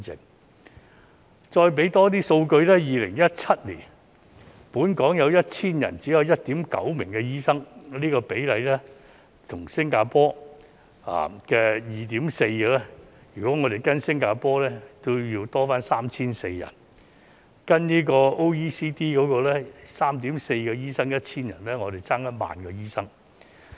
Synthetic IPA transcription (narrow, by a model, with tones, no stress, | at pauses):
ɪ̰˨˩ŋ | t͡ʃɔː˧jp̬e˨˥jt̪ɔː˥t̪̬iː˥so˧wkɵ˧ɥlɛː˥jiː˨˧lɪ̰˨˩ŋjɐ˥t̚t͡sʰɐ˥t̚lḭː˨˩n | puː˨˥nkɔː˨˥ŋjɐ˨˧wjɐ˥t̚t͡sʰiː˥njɐ̰˨˩nt͡siː˨˥jɐ˧wjɐ˥t̚t̪iː˨˥mkɐ̰˨˥wmɪ̰˨˩ŋkɛ˧jiː˥sɐ˥ŋliː˥kɔː˧pe˨˥jlɐ˨˧jlɛː˥ | t̪ʰʊ˨˩ŋsɪ˥ŋkaː˧pɔː˥ | a̰ː˨kɛː˧jiː˨t̪̬iː˨˥mse˧jkɛ˧lɛ˥jyː˨˩kʷɔː˨˦˥ŋɔː˨˧ɾe˨˩jkɐ˥nsɪ˥ŋkaː˧pɔː˥lɛː˦˥t̪o˥ji˧wt̪ɔː˥faː˥nsaː˥mt͡sʰiː˥nse˧jjɐ̰˨˩n | kɐ˥nniː˥kɔː˧o˥wiː˥siː˥t̪iː˥kɔː˨˥kɔː˧lɛː˥saː˥mt̪̬i˨˥mse˧jkɛ˧jiː˥sɐ˥ŋjɐ˥t̚t͡sʰiː˥njɐ˨˩nlɛː˥ŋɔː˨˧ɾe˨˩jt͡saː˥ŋjɐ˥ma̰ː˨nkɔː˧jiː˥sɐ˥ŋ